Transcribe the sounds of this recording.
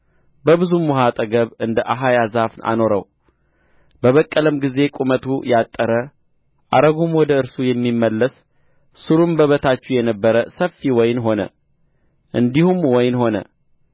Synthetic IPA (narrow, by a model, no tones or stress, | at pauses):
bəβɨzumːuɦat̪ʼəɡəβɨnd̪əʔaɦajazafnʔa̰no̞ɾə̰w | bəβəkʼːələmɡize̞kʼumət̪ʰṵjat̪ʼːəɾə | ʔaɾəɡumwɔd̪əɨɾsujɛmːimːəlːəs | sɨɾumbəβət̪ʰat͡ʃːujɛnəbːəɾəsəfːiwɔjnɦo̞nə̰ | ʔɨnd̪ihumwɔjnho̞nə̰